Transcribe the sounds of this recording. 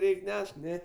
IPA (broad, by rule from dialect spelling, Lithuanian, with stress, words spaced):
ˈrʲɛɪkʲ ˈnʲɛʃk ˈnʲɛ